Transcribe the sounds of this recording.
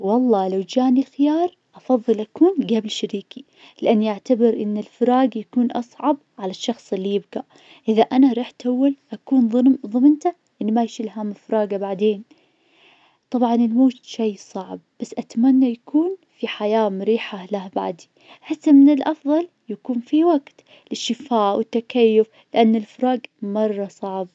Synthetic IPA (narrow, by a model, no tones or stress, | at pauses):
wɑlˤːɑːlawd͡ʒaːnilxɪjɑːɾˤʔɑfɑðˤːɨlʔakuːnɡaːbɪlʃaɾiːki | lɪʔanːiʔaʕt̪abɪɾʔɪnːɪlfɾɑːɡjakuːnʔɑ̰sˤʕɑb | ʕalaʃːɑxsˤɪlːijɪbɡa | ʔɪðaʔanaɾˤiːħt̪ʔawːalʔakuːnˤðˤʊmnt̪a | ʔɪnːimajʃɪlɦamɪfɾˤɑːɡabaʕd̪eːn | t̪ˤɑbʕɑnɪlmoːt̪ʃajːsˤɑʕb̥̚ːasːʔat̪manːajakʰuːnfiħajaːmʊɾiːħalahba̰ʕd̪i | ħasːamɪnɪlʔɑfðˤɑl | jakuːnfiwaɡt̪ | lɪʃːɪfaːʔwɪt̪ːakajːʊf | lɪʔanːɪlfɾˤɑːɡmɑrˤːɑsˤɑʕb̚